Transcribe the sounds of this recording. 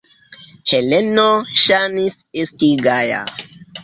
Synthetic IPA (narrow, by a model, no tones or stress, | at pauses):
helenoʃanis | estiɡaja̰